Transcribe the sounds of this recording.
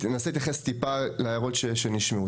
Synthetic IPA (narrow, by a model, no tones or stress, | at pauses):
tenaseit̪jaχest̪ipaleajaʁo̞tʃeʃeniʃmeu